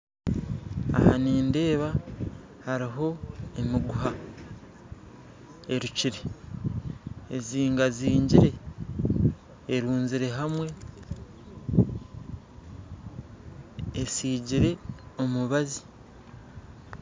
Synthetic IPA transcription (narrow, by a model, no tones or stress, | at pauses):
a̰ha̰niːnde̞ːβa | haɾiɦo̞emiɡuha | e̞ɾuciɾe̞ | eziːŋɡaziːɲɟiɾe̞ | ɾuːnziɾe̞ɦamwe̞ | siːɟiɾe̞o̞muβazi̥